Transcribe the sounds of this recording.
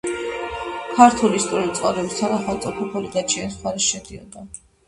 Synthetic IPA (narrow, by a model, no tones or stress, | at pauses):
kʰaɾt̪ʰuliist̪ʼɔɾit̪sʼqʼavɾɛbist̪ʰanaχalt̪sʼɔpʰɔpʰɔliɡat͡ʃʰianisχwaɾɛsʃɛd̪iɔ̰d̪a